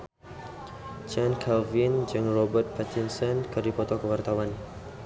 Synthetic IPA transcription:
t͡ʃankʰalvind͡ʒɨŋrɔbərt̪̚pat̪insɔnkɨrdipɔt̪ɔkəwart̪awan

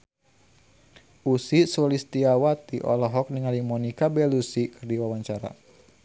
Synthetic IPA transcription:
ʔusisɔlist̪iawat̪iʔɔ̰lɔɦɔk̚niŋalimɔnikabɛlusikɨrdiwawaɲt͡ʃaɾa̰

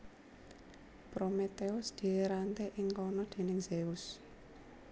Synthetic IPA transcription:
pɾomet̪eʊsd̪̥i̤ɾant̪eʔɪŋkɔnɔd̪̥e̤nɪŋz̥eʊs

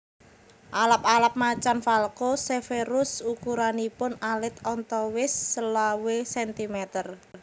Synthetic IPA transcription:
ʔalap̚alap̚mat͡ʃanfalkosefeɾʊsukuɾanipʊnalɪt̪ɔnt̪ɔwɪsːəlawesɛnt̪imɛt̪ər

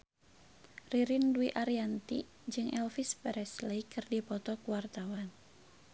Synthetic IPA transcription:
riɾinduiʔaɾiant̪ḭ | d͡ʒɨŋɛlfispɛɾɛsleikɨrdipɔt̪ɔkuwart̪awan

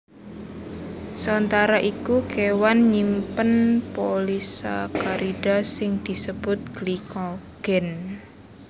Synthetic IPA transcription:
sɔnt̪aɾaʔikukewanɲimpənpolisa̰kaɾid̥a̤sɪŋd̪̥i̤səb̥ʊt̪̚ɡ̥likɔɡ̥ɛn

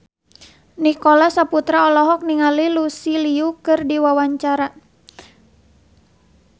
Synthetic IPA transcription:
nikɔlasaput̪ɾaɔlɔɦɔk̚niŋalilusiliukɨrdiwawaɲt͡ʃaɾa

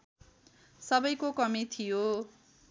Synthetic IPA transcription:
sʌbʌjkokʌmit̪ʰijo

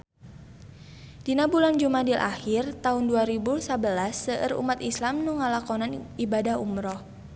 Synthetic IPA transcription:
dinabuland͡ʒumadilʔa̰hirt̪aʊnduaɾibusabəlasːəʔə̰rṵmat̪islamnuŋalakɔnanibadahumɾɔh

